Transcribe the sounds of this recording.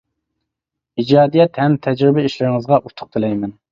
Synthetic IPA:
id͡ʒɑːd̪ijɛt̪hɛmt̪ʰɛd͡ʒɾɪbɛiʃlɪɾɪŋɨzʁɑʔut̪ʰʊ̥q̚t̪ʰɪlɛjmɛn

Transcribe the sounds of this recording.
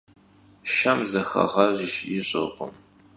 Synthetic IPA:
ʃɐmzɐxɐ̰ʁɐʑʃɪɕʼɪ̰qʷʊ̰m

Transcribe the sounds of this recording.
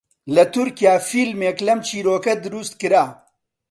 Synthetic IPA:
lɐt̪uɾkijaːfiːlmeːklɐmt͡ʃiːɾoːkɐd̪ɨɾuːst̪̚kɨɾaː

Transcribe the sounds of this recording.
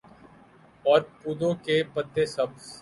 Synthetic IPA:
ɔːɾpuːd̪õkepət̪ːesɐb

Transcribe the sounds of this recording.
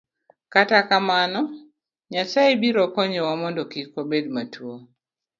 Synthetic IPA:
katakamanɔ | ɲasaibiɾɔkɔɲɔwamɔndɔkikobedmatʰuo

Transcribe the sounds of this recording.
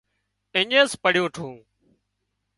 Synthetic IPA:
ɪɲeːspəɽjõːʈʰũː

